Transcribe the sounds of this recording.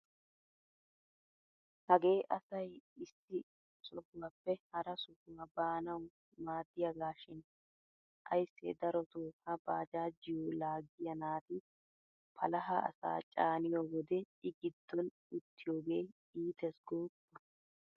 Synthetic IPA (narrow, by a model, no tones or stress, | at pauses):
hɐɡe̞ːʔɐsɐjɪsːɪ | sɔɡʊwaːpːɛhɐɾɐsʊɡʊwabaːnɐw | maːd̪ːɪjɐɡaːʃɪn | ʔɐ̰jsːɛ̰d̪ɐɾɔt̪oːhɐbaːd͡ʒaːd͡ʒɪjoːlaːɡɪjɐnaːt̪ɪ | pʰɐlɐɦɐɐ̰sa̰ːt͡ʃʼaːnɪjoːwɔd̪ɛ | ɪɡɪd̪ːɔn | ʊt̪ːɪjo̞ːɡeː | iːt̪ɛsɡoːbːɔ